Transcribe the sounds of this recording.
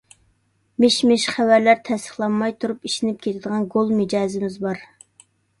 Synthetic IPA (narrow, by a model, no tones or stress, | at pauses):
mɪʃmɪʃχævæɾlæɾt̪ʰɛst̪ə̥χlˠɑnːɑjt̪ʰuɾupiʃɪnɪp̚kʲʰet̪ʰɪd̪əʁɑnɡolˠmɪd͡ʒɑːzɪmɪzbɑɾ